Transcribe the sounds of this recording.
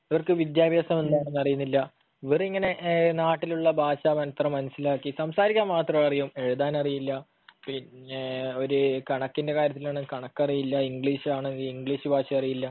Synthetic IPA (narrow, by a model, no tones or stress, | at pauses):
ɐʋɐrkɨʋid̪jaːbjɐsɐme̞nːaːɳenːɐrijunːilːɐ | ʋiriŋːɐne̞naːʈːiluɭːɐbʱaːɕɐmɐnɐt̪rɐmːɐnɐsilaːkːisɐmsaːɾikʲːɐmːaːt̪rɐmɭɐrijume̞ɻuðaːnɐrijilːɐ | pin | o̞ɾukɐɳɐkːinde̞kaːɾjɐt̪ːilaːɳɨkɐɳɐkːɐrijilːɐiŋɡɭiːɕaːɳɨiŋɡɭiːɕɨbʱaːɕɐjɐrijilːɐ